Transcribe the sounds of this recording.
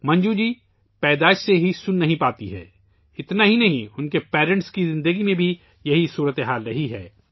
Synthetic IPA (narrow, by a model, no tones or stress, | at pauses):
mɐ̃ɲd͡ʒud͡ʒiː | pɛːd̪aːɪʃseɦisʊnːɐɦĩpaːt̪iɦɛ̰ː | ɪt̪naɦinɐɦĩʊnkepɛːɾə̃ɳʈskizɪ̃nd̪əɡimẽbʱi | jɐɦisuːɾət̪eɦaːlɾɐɦiɦɛ̰ː